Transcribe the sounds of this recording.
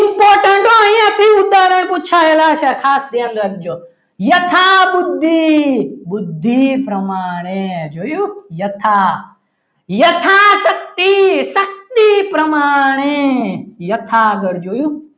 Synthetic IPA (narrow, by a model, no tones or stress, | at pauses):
impoːɾʈɐɳʈoɐ̃ĩãt̪ʰiud̪aːɾəɽ̃put͡ʃʰaːelaːʃɐkʰaːsd̪jaːnɾɐɡ̚d͡ʒoː | jɐt̪ʰaːbud̪ʱːibʊd̪ʱːipɾɐmaːɽ̃ed͡ʒoːjujɐt̪ʰaː | jɐt̪ʰaːsɐk̚t̪isɐk̚t̪ipɾɐmaːɽ̃eːjɐt̪ʰaɡɐɽd͡ʒoːjuː